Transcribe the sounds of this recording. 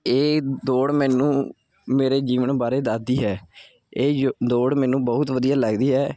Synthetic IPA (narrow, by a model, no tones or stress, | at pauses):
eːd̪oːɽmɛːnũː | meːɾeːd͡ʒiːʋənbaːɾeːd̪aːd̪iːɦɛː | eːd̪oːɽmɛːnũːbəɦʊt̪ʋəd̪ijaːləɡd̪iːɦɛː